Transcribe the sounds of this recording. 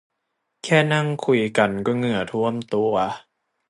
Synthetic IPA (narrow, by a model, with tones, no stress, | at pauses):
kʰɛː˥˩na˥˩ŋkʰu˧jka˧nkɔː˥˩ŋɯ˧˩ɐt̪ʰu˥˩əmt̪u˧ɐ